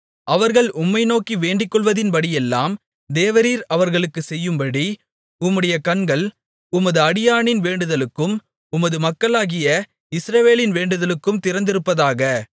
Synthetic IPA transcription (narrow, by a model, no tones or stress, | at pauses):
ʔɐʋɐɾɣɐɭʊmːɐɪnoːkiʋeːɳɖɪkːɔɭʋɐðɪnpɐɽɪjɛlːa̰ːm | d̪eːʋɐɾiːɾɐʋɐɾɣɐɭɯkːɯsɛjːɯmbɐɽi | ʊmːɯɽɐjɐkɐɳɡɐɭ | ʊmɐðɯɐɽɪjaːɳɪnʋeːɳɖɯðɐlɯkːɯm | ʊmɐðɯmɐkːɐɭaːɣɪjɐ | ɪsɾɐʋeːlɪnʋeːɳɖɯðɐlɯkːɯmt̪ɪɾɐnd̪ɪɾɯpːɐðaːɣɐ